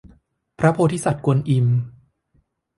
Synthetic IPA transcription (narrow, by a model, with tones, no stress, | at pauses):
pʰɾa˦˥pʰoː˧t̪ʰiː˦˥˩sa˨˩t̪̚ku˧nʔi˧m